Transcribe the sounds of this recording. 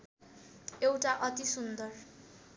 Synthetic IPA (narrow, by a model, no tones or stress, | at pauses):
ewʈaʔʌt̪isund̪ʌr